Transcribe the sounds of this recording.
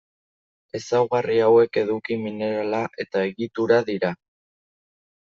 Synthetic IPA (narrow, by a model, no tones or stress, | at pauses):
e̞sawɣariawe̞ke̞ðukimine̞ɾalaʔe̞t̪ae̞ɣit̪uɾaðiɾa